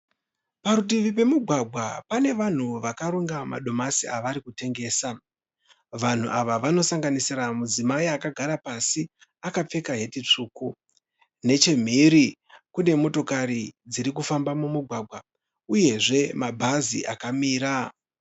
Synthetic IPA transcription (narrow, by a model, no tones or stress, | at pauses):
paɾut̬iʋip̬e̞muɡʱwaɡʱwapane̞ʋan̤uʋakaɾuŋɡama̰ɗo̞masiaʋaɾikute̞ŋɡe̞ːsa | ʋan̤ṵʔaʋaʋano̞saŋɡanisiɾamud͡zimaiakaɡʱaɾapasi | akap͡fe̞kaɦe̞tit͡ʂuːku | ne̞t͡ʃe̞m̤iɾi | kune̞mo̞to̞kaɾid͡ziɾik̬ufambamumuɡʱwaɡʱwa | uje̞ʐe̞mabʱazḭʔakamiːɾa